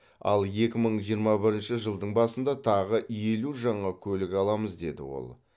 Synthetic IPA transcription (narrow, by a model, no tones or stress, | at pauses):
ɑ̰lˠje̞kʲɪməɴʒijəɾmɑbɪɾɪnʃɪʒəlˠd̪əɴbɑsənd̪ɑt̪ʰɑʁəje̞luʒɑɴɑkʲʰɵlɪkɑlˠɑməzd̪e̞d̪ɪ̰wo̞̰lˠ